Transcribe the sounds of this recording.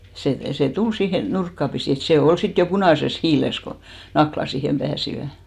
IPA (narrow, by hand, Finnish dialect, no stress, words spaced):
seˑ seˑ tul siːhe nurkːɑ pisiˑ et se ol sit jo punɑˑses hiːles ko nɑklɑ siːhem b̥æːsiʋæ